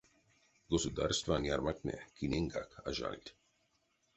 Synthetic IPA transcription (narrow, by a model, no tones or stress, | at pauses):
ɡosud̪a̰rst̪vanjaɾmaknʲɛ̰kinʲeŋɡaka̰ʒa̰lʲt̪ʲ